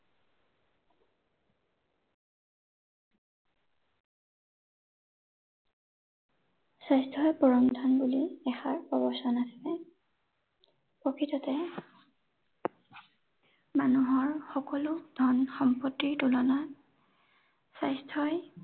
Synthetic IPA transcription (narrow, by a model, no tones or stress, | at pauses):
sajstʰɔjpɔɹɔmdʱanbuliɛxaɹpɔbɔsɔnasɛ | pɔkʰitɔtɛ | manuɦɔɹxɔkɔlʊd̥ʱɔnxɔmpɔtːiɹtulɔna | sajstʰɔj